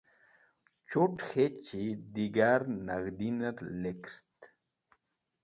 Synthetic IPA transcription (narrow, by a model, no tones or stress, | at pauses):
t͡ʃuʈxet͡ʃid̪iɡaɾnaɣd̪inaɾlekɾt̪